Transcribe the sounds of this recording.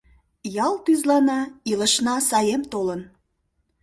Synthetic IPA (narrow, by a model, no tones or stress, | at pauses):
jɑlt̪yzlɑnɑiləʃnɑsɑjemt̪olən